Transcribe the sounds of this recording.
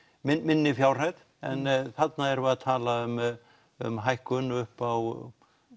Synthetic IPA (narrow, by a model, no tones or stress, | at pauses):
mɪmɪnːɪfjawr̥ajð | ɛ̰nθat̪naɛɾvɛaðt̪ʰaːlaʏm | ʏ̰mɦajhkʏnʏhpaw